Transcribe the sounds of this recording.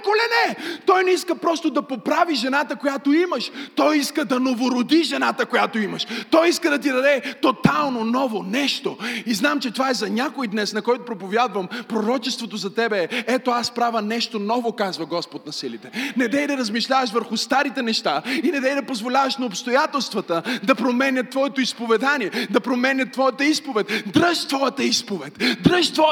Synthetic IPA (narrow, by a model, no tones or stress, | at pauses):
kolɛnɛt̪ɔjnɛiskəpɾɔst̪od̪ɐpopɾaviʒɛnat̪əkojat̪oiməʃt̪ɔjiskəd̪ɐnovoɾod̪iʒɛnat̪əkojat̪oimɐʃt̪ɔjiskəd̪ɐt̪̬id̪ɐd̪ɛt̪ot̪alˠnonɔvonɛʃt̪oiznamt͡ʃɛt̪ovaɛzɐɲʲakoid̪nɛsnɐkɔjt̪ʊpɾopovʲjad̪vɐmpɾoɾɔt͡ʃɛst̪vot̪ozɐt̪ɛbɛɛɛt̪oaspɾavənɛʃt̪onɔvokazvɐɡɔspot̪nɐsilit̪ɛnɛd̪ɛjd̪ɐɾɐzmiʃlʲavɐʃvəɾxʊst̪aɾit̪ɛnɛʃt̪ainɛd̪ɛjd̪ɐpozvolʲavɐʃnɐopst̪ojat̪ɛlˠst̪vɐt̪əd̪ɐpɾomɛnʲɐt̪ːvɔjɛt̪oispovɛd̪aniɛd̪ɐpɾomɛnʲɐt̪ːvɔjət̪əispovɛt̪ʲd̪ɾəʃt̪vɔjət̪əispovɛt̪ʲd̪ɾəʃt̪vɔ